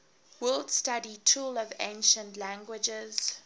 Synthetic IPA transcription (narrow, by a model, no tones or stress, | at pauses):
wildstaditʰuːlɔvḛ̃ɪ̃nʃə̃ntlæ̃ŋɡwɪd͡ʒɪz̥